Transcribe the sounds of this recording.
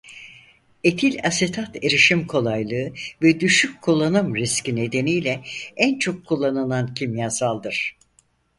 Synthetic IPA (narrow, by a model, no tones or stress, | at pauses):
e̞t̪ʰilʲaset̪ʰat̪ʰeɾiʃimkʰo̞lˠajlˠɯɯvɛd̪yʃyckʰːulˠːanɯmɾiscine̞d̪e̞nijlʲɛænt͡ʃʰo̞kʰːulˠːanɯlˠancʰimjaːsalˠd̪ɯɾ̥